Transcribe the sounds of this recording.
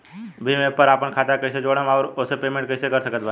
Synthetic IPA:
bʱimẽpəɾaːpənkʰaːt̪akəsed͡ʒoːɽamɔːɾʊsepeːmẽɳʈ̚kəɪsekɐɾsəkət̪̚ba

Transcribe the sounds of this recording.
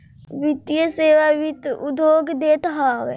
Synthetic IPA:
ʋɪt̪jəseːʋaʋit̪ʊ̰d̪ʱjoːɡd̪eːt̪ɦaːʋe

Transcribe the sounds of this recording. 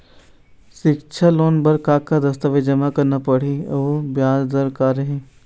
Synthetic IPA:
ʃɪkt͡ʃʰaloːnbɐɾkaːkːad̪ɐst̪əʋed͡ʒɐmakɐɾnapɐɽ̤iobjaːd͡ʒd̪əɾkaːɾɐɦẽː

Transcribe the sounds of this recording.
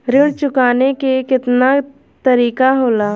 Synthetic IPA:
ɾɪɽt͡ʃʊkaːnekekɪt̪na | t̪əɾiːkaɦoːlaː

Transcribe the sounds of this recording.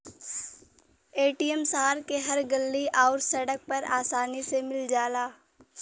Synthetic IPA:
eːʈijəmsaɦaːɾkeɦɐɾɡɐlːiʔaːɾsɐɽək̚pɐɾa̰ːsaːnisemɪld͡ʒaːlaː

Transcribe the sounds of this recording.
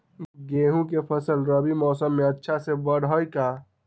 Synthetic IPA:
ɡeːɦũkepʰəsəlɾəbimɔːsəmːẽətːʃʰasebəɽɔːjka

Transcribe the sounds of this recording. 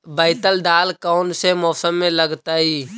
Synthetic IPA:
bəɪt̪əld̪aːlkaːnsemɔːsəmːẽləɡt̪aːɦiː

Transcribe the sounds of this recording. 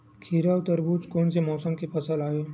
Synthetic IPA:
kʰiːɾat̪əɾbuːt͡ʃkoːnsemɔːsəmkepʰɐsəlaːjoː

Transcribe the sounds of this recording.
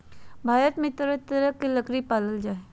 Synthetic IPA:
bʱaːɾət̪mẽt̪əɾət̪əɾəkːeləkɾipaːləld͡ʒaːe

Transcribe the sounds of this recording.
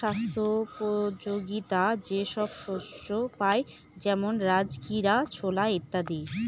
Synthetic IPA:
ast̪ʰopod͡ʑoɡit̪ad͡ʑeʃɔbʃoʃt͡ʃopae | d͡ʑɛmonɾad͡ʑkiɾat͡ɕʰolaet̪ːad̪i

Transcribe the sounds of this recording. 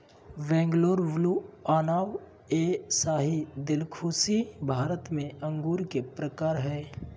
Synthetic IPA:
ʋɛ̃ːŋɡloːɾʋluaːnaːw | eːsaːɦid̪ɪlkʰuːsibʱaːɾət̪mẽə̃ŋɡuːɾkepɾəkaːɾɦɛː

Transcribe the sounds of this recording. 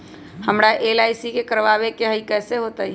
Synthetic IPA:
həmɾaʔeːlaːɪsikekəɾʋaːʋekeɦəikɛːseɦoːt̪aɦi

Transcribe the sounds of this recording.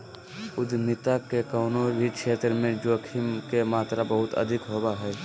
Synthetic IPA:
ʊd̪nɪt̪akekəːnoɾikʃʰeːt̪ɾəmẽd͡ʒoːkʰimkemaːt̪ɾabəɦʊt̪ə̰d̪ʱɪkɦoːbaɦɛ

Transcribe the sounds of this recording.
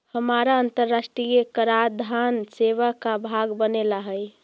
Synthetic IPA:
həmaɾaənt̪əɾːasʈɾijekəɾad̪ʱanseʋakabʱaɡbənelaɦəj

